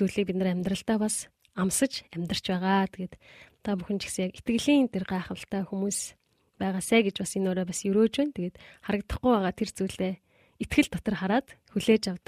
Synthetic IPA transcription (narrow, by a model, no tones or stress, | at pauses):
t͡suːɮiːk̚pʲit̪nə̆ræmʲt̪rə̆ɬt̪æːpas | amsə̆t͡ɕæmʲt̪rər̥t͡ɕpæːʁaːt̪ʰeɣeːt̪t̪ʰːapuxɘ̆nt͡ɕʰi̥xsə̃̆ŋjaket̪ɡɘ̆ɣɮiːnt̪ʰerɢæːχə̆ɬt̪æːxumuːs | pæːʁaːsæːɡet͡ɕpasenoːɾɔːpasjɵɾoːt͡ɕwæːnt̪ʰeɣeːt̪χaɾə̆k̚t̪ə̆χɡʊjpæːʁaːt̪ʰert͡suːɮeː | et̪ɡɘ̆ɮt̪ɔt̪ɞ̆rχaɾaːt̪xuɮeːt͡ɕjawt̪ə̥̆k̚